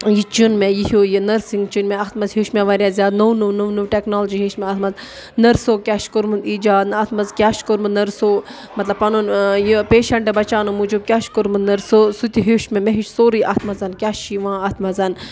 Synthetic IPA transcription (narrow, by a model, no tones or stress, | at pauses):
jit͡ʃunmɛjiɦoːjinɐɾsiŋɡt͡ʃinmɛ̃ɐt̪ʰmɐzɦeʃmɛʋɐɾjaːzʲjaːd̪nuwnuʋnuʋnuʋʈeknoːld͡ʒiːɦeːʃmɛ̃ɐt̪ʰmɐz | nɐɾsoːkʲaːʃkoɾmɨnd̪iːd͡ʒaːd̪nɨɐt̪ʰmɐzkʲaːʃkoɾmɨnnɐɾsoː | mɐt̪lɐbpɐnonjipeːʃɐɳʈebɐt͡ʃaːnumud͡ʒub̚kʲaːʃkoɾmɨnnɐɾsosut̪ʲiɦeʃmɛ̃meɦiʃsoːɾiʔɐːt̪ʰmɐzɐnkʲaːʃiʋãːɐt̪ʰmɐzɐn